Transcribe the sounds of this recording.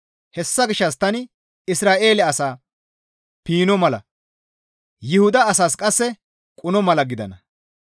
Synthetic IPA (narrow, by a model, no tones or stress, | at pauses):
hɛsːɐɡɪʃːɐst̪ɐnɪ | ɪsɾaːʔe̞ːlɛɐsaː | piːnɔmɐlɐ̰ | jɪhʊd̪ɐːsaːskʼɐsːɛ | kʼʊnɔmɐlɐɡɪd̪ɐnɐ